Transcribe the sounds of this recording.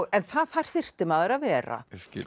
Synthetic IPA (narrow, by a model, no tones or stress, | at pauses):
ɛnθaːðfar̥θɪr̥t̪ɪmaːðɛɾaðvɛːɾa̰